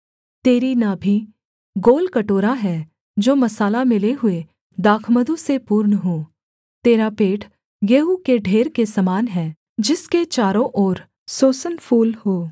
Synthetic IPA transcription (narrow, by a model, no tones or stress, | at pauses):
t̪eːɾinabʱi | ɡoːlkɐʈoːɾaɦɛː | d͡ʒoːmɐsaːlamɪleɦʊe | d̪aːkʰməd̪ũsepuːɾɳəɦoː | t̪eːɾapeːʈʰ | jeːɦukeɖʱeːɾkesɐmaːnɦɛː | d͡ʒɪsket͡ʃaːɾõʔɔːɾ | soːsənpʰuːlhoː